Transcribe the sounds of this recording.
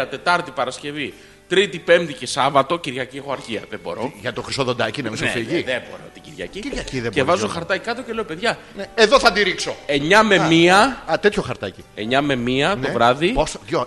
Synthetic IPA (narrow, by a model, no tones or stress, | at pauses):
ɐt̪e̞t̪ɐɾt̪ipɐɾɐsce̞vi | t̪ɾit̪ipe̞mt̪ice̞sɐvɐt̪o̞ciɾʝɐciexoɐɾçiɐðebo̞̰ɾo̞ʝɐt̪oxɾisoðod̪ɐcinɐmisnefiʝiðebo̞̰ɾo̰t̪iciɾʝɐ̰ciɾʝɐciðeevɐzoxɐɾt̪ɐcikɐt̪o̞celeopeðʝɐ | neðoθɐd̪iɾiksoe̞ɲɐme̞miɐt̪et̪ʰçoxɐɾt̪ɐcieɲɐme̞miɐt̪o̞vɾɐðiposjo